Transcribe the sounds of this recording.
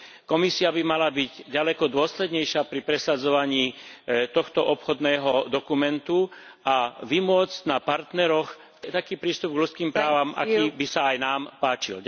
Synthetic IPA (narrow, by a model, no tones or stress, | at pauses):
kɔmisiabimalabiɟɟalɛkɔd̪ʊɔslɛd̪ɲɛjʃɪapɾipɾɛsad͡zɔʋaɲiːt̪ɔxt̪ɔʔɔpxɔd̪nɛːɦɔd̪ɔkumɛnt̪u | aʋimʊɔd͡zcnapaɾt̪nɛɾɔx | t̪akiːpɾiːst̪ub̚ɡʎut͡skiːmpɾaːʋamʔa̰kiːbisaajnaːmpaːt͡ʃḭl